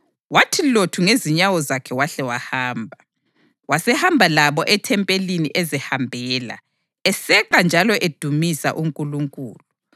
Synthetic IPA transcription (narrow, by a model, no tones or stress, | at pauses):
watʰilotʰuŋeziɲawɔzakʰɛwaɬɛwahaːmbʱa | wasɛhambʱalaβɔʔɛtʰɛmpʼeliniʔɛzɛhambʱɛːla̰ | ɛsɛǃand͡ʒʱalɔʔed̥ʱumisa̰ʔuŋkʼuluŋkʼṵːlu